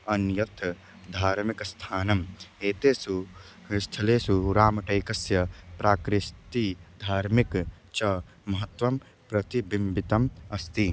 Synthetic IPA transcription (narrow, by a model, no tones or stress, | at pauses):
ɐnjɐt̪ʰ | d̪ʱaːɾmikst̪ʰaːnɐmeːt̪eːsu | st̪ʰɐleːsuɾaːmɐʈɐjkɐsjɐpɾaːkɾɪst̪id̪ʱaːɾmik | t͡ʃɐ | mɐɦɐt̪wɐm | pɾɐt̪ibimbit̪ɐmɐst̪i